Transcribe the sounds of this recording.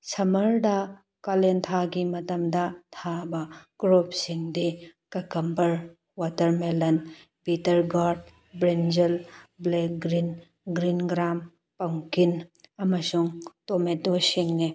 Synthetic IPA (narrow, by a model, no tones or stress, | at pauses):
sɐmɐɾda | kalent̪ʰaɡimɐtɐmdɐtʰabɐkɾopsiŋdikɐkɐmbɐɾ | watɐɾmelɐn | pitɐɾɡaɾd̚ | bɾend͡ʒɐlblek̚ɡɾin | ɡɾinɡɾam | pɐŋkinɐmɐsuŋtometosiŋne